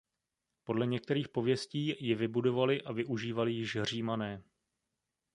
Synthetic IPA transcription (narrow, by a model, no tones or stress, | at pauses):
po̞dlɛɲɛk̚t̪ɛɾiːxpo̞vjɛsciːjɪvɪbudo̞valɪʔavɪʔuʒiːvalɪjɪʃr̝iːmanɛː